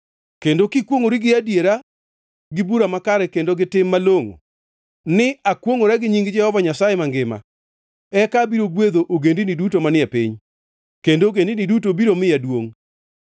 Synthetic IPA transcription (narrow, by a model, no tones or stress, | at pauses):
kendokikwoŋoɾiɡɪadjeɾa | ɡɪbuɾamakaɾɛkendoɡɪtɪmːaloŋo̰ | nɪakwoŋoɾaɡɪɲiŋɡd͡ʒɛhɔvaɲasajemaŋɡɪma̰ | ɛkabiɾoɡwed̪oʔoɡendinɪdutomanɪapiɲ | kendoɡendinidutobiɾomɪjadwoŋ